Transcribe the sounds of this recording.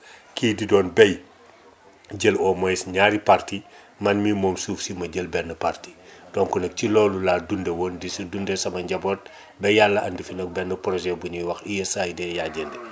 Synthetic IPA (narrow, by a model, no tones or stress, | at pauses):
kiːdidɔːnbɛj | ɟəlɔmɔjsɲaːɾiparti | mɐnmimɔːmsuːfsimɐɟəlbɛnːəparti̥dɔnkunɐk̚cilɔːlulaːdundɛwɔːndisidundɛsɐmɐɲɟɐbɔːt̚ | bɛjalːɐɐndifinɐk̚bɛnːəpɾɔʒɛbuɲiwɐxijesajdɛːjaːɟəndɛ